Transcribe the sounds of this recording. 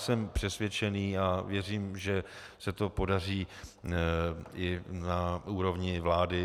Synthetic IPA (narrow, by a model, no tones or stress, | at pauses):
sɛmpr̝̥ɛsvjɛt͡ʃɛniːavjɛr̝iːmʒɛ | sɛt̪o̞po̞dar̝iː | ʔɪnauːɾo̞vɲɪvlaːdɪ